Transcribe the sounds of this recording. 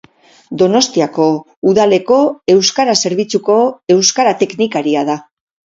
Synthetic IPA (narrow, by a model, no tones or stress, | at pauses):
d̪o̞no̞st̪iako̞ | uðale̞ko̞e̞wskaɾase̞ɾβ̞it͡suko̞e̞wskaɾat̪e̞knikaɾiað̞a